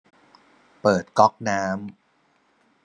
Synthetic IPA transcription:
pɤː˨˩t̪̚kɔ˦˥k̚naː˦˥m

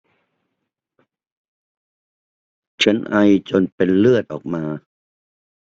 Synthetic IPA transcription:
t͡ɕʰa˦˥nʔa˧jt͡ɕo˧npe˧nlɯ˥˩ət̪̚ʔɔː˨˩k̚maː˧

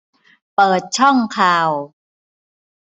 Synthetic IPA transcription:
pɤː˨˩t̪̚t͡ɕʰɔ˥˩ŋkʰaː˨˩w

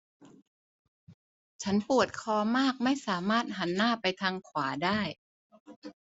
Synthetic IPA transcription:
t͡ɕʰa˦˥npu˨˩ət̪̚kʰɔː˧˦maː˥˩k̚ma˥˩jsaː˩˦maː˥˩t̪̚ɦa˩˦nːaː˥˩pa˧jt̪ʰaː˧ŋkʰwaː˩˦daː˥˩j

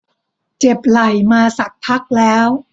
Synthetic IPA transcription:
t͡ɕe˨˩p̚la˨˩jmaː˧sa˨˩k̚p̪ʰa˦˥k̚lɛː˦˥w

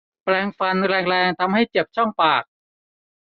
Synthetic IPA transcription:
plɛː˧ŋfa˧nɾɛː˧ŋɾɛː˧ŋt̪ʰa˧mha˥˩jt͡ɕe˨˩p̚t͡ɕʰɔ˥˩ŋpaː˨˩k̚

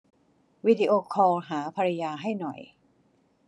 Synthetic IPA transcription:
wi˦˥di˧ʔoː˧kʰɔː˧ŋɦaː˩˦pʰa˧ɾa˧jaː˧ɦa˥˩jnɔ˨˩j

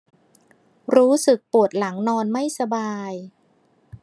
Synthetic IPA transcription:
ɾuː˦˥sɯ˨˩k̚pu˨˩ət̪̚la˩˦ŋnɔː˧nma˥˩jsa˧baː˧j

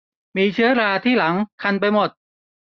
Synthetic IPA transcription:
miː˧t͡ɕʰɯ˦˥ɐɾaː˧t̪ʰiː˥˩la˩˦ŋkʰa˧np̬a˧jmo˨˩t̪̚

